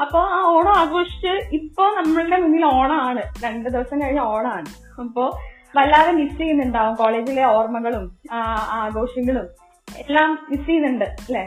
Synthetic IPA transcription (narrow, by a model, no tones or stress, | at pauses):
ɐpːo̞ːaːoːɳoːaːɡoːʂi̥t͡ɕːɨipːo̞ːnɐmːɐɭuɽe̞munːilo̞ːɳɐaːɳɨɾeɳɖɨd̪iʋɐsɐmkɐɻiɲːɐo̞ːɳɐaːɳɨ | ɐpːo̞ː | ʋɐlːaːʋemisijunːuɳɖaːʋumko̞ːɭe̞ːd͡ʑileo̞ːrmɐɣɐɭumaaaːɡo̞ːʂjɐŋːɐɭum | elːaːmːisijunːuɳɖɨɐlːeː